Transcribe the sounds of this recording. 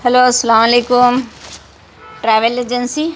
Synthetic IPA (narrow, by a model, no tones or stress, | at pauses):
hɐloːsɐlaːmɐleːkʊm | ʈɾaːʋəled͡ʒənsi